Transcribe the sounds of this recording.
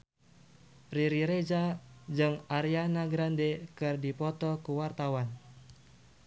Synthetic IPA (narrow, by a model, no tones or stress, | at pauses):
riɾiɾed͡ʒad͡ʒɨŋaɾianaɡɾandɛkɨrdipɔt̪ɔkuwart̪awan